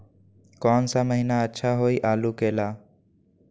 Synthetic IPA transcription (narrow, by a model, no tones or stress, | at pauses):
kɔːnsaməɦɪnaətːʃʰaɦoːiʔaːlukeːlaː